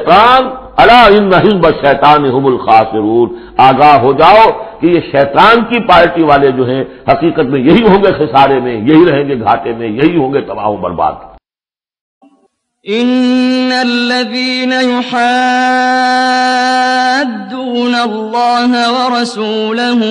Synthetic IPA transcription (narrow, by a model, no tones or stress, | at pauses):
t̪aːn | ɐlaːɪnːɐɦɪmbɐʃɛːt̪aːnɪɦʊmʊlxaːsɪɾuːn | aːɡaːɦɦod͡ʒaːokejeʃɛːt̪aːnkipaːɾʈiʋaːled͡ʒoːɦɛ̃hɐqiːqət̪mẽjɐɦiɦõːŋɡexɪsaːɾemẽjɐɦiɾɐɦẽːŋɡeɡʱaːt̪emẽjɐɦiɦõːŋɡet̪ɐba̰ːɦõbɐ̰ɾba̰ːd̪ | ʔɪnːalːaðiːnajʊħa | d̪ːuːnalːɑːɦwɑɾˤɑsuːlaɦʊ